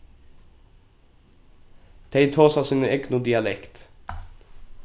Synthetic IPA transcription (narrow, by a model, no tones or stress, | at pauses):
d̪̥ʰeɪt̪ʰoːsɑːsiːnəɛknʊd̪ɪɑlɛkt̪